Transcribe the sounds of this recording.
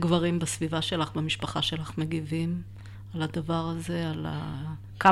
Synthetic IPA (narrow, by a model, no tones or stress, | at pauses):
ɡvaʁimbasvivaʃe̞laχbemiʃpaχaʃe̞laχme̞ɡivim | alad̪avaʁazeala̰ | ka